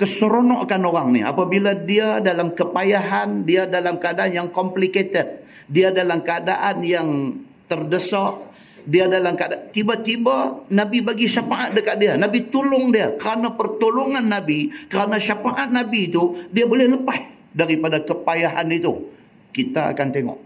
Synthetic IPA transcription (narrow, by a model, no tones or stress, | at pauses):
kəsəɾonɔʔakanoɾaŋnḭa̰pabiladiadalamkəpajaɦandiadalamkəadaʔanjaŋkɔmpliket̪ɛt̪̚ | diadalamkəada̰ʔanjaŋ | t̪ərdəsɔʔ | diadalamkadat̪ibat̪ibanabibaɡiʃapaʔat̪̚dəkat̪̚dianabit̪ulʊŋdiakəɾanapərt̪uluŋanːabikəɾanaʃapaʔat̪̚nabiːt̪udiabolɛhləpah | daɾipadakəpajaɦanit̪u | kit̪aa̰kant̪eŋɔ̰ʔ